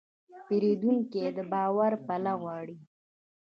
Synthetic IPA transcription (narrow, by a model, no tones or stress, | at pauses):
peɾed̪uŋkied̪əbɑwaɾpalaɣwɑɽi